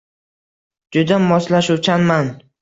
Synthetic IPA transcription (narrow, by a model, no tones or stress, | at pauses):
d͡ʒʊd̪amɒslaʃut͡ʃʰanman